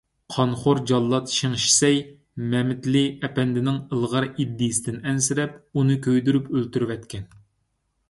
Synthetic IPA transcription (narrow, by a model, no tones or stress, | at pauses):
qʰɑnχoɾd͡ʒɑlˠːɑt̪ʃiŋʃi̥sɛj | mɛmɪt̪lɪɛpɛnd̪ɪnɪŋəlˠʁɑɾid̪ːɪjsɪd̪ɪnɛnsɪɾɛpunɨkʲøjd̪yɾypølt̪yɾwɛt̪kʲɛn